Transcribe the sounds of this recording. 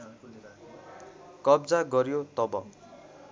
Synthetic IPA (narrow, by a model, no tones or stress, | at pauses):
kʌbd͡zaɡʌɾjot̪ʌbʌ